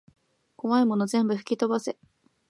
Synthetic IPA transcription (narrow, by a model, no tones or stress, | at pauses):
koβaimo̞no̞zẽ̞mbɯ̟ɸɯ̟̥kʲit̪o̞base̞